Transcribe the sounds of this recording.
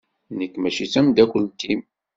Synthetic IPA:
nəkːmæʃit͡sæmd̪ækʷːəlt̪im

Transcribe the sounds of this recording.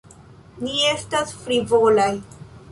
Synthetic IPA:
nie̞stasfɾivolaj

